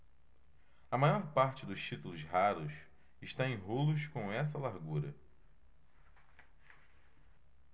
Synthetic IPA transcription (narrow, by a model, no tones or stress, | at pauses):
ɐmajɔɾpaɾt͡ʃɪd̪ʊst͡ʃit̪ulʊsɦaɾʊs | ɪʃt̪aẽj̃ɦolʊskõɛs̬ɐlaɾɡuɾɐ